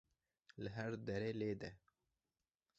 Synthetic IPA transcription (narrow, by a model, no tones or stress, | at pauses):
ləɦaɾd̪ɐɾeːleːd̪ɛ